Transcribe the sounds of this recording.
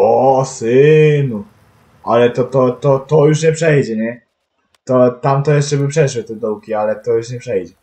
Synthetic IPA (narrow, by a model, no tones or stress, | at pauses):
ɔsɘnu | alɛt̪ɔt̪ɔt̪ɔt̪ɔjuʂɲɛpʂɛjd͡ʑɛɲɛ | t̪ɔt̪amt̪ɔjɛʂt͡ʂɛbɘpʂɛʂwɛt̪ɛd̪ɔwkʲialɛt̪ɔjuʂɲɛpʂɛjd͡ʑɛ